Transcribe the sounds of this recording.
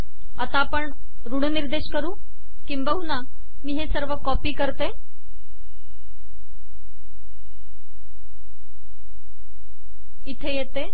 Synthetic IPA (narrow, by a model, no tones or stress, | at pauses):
at̪apəɳ | ɾuɽ̤niɾd̪eɕkəɾũː | kimbəɦuna | miːɦesəɾʋəkɔpiːkəɾt̪e | it̪ʰejet̪e